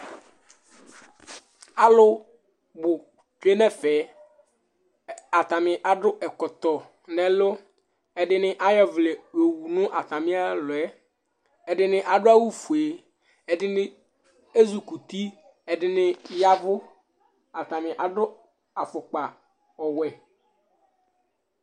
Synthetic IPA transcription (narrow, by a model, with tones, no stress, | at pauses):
a˨lʊ˦ | bʊ˨ | ke˦nɛ̃˦fɛ˨˦ | a˨t̪a˨mɪ̃˨ʔa˨ɖʊ˦ʔɛ˨kɔ˨t̪ɔ˨ | nɛ̃˨lo˦ | ɛ˨ɖɪ˦nɪ̃˦ʔa˦jɛ˦vle˨we˨wu˨nʊ̃˦ʔa˨t̪ã˨mɪ̃˦a˦lʊ˨ɛ˦ | ɛ˨ɖɪ˨nɪ̃˦ʔa˨ɖʊ˦a˦wu˦fu˨e˨ | ɛ˨ɖɪ˦nɪ̃˦ | e˦zu˨ku˨t̪i˦ | ɛ˨ɖɪ˨nɪ̃˦ja˦vʊ˦ | a˨t̪a˨mɪ̃˨ʔa˨ɖʊ˦ | a˨fʊ˨k͡pa˨ | ɔ˨wɛ˨